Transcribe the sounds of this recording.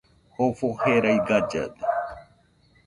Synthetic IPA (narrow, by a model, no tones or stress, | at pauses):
hofoheɾajɡad͡ʒa̰d̪e